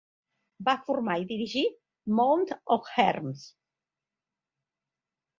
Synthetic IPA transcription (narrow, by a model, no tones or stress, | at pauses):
bafuɾmaiðiɾiʒi | mownt̪ɔfxɛ̰ɾms